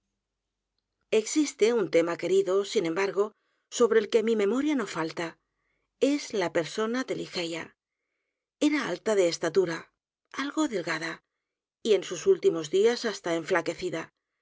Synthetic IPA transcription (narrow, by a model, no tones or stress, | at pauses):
e̞ksist̪e̞unt̪e̞make̞ɾiðo̞sinẽ̞mbaɾɣo̞ | so̞βɾelke̞mimẽ̞mo̞ɾjano̞falt̪a | e̞zlape̞ɾso̞nad̪elixe̞ja | e̞ɾaa̰lt̪aðe̞ːst̪at̪uɾa | alɣo̞ðe̞lɣaða | ie̞nsusult̪imo̞zðiasast̪ae̞ɱflake̞θiða